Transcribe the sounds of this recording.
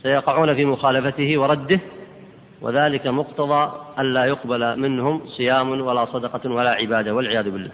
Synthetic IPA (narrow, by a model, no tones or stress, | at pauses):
sajɑqɑʕuːnafiːmʊxaːlafat̪ɪhɪwɑɾˤɑd̪ːɪh | wʔa̰ðaːlɪkamʊqt̪ɑðˤɑːʔanlaːjʊqbalmɪnhʊmsˤɨjaːmwalaːsˤɑd̪ɑqɑwalaːʕɪbaːd̪awalʕɪjaːðʊbɪlːa̰ː